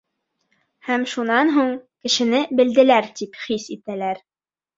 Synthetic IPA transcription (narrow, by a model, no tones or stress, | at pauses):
hæmʃunɑnɦuɴkɘ̆ʃɘ̆nɘbɘ̆ld̪ɘ̆læɾt̪ipχisit̪ælæɾ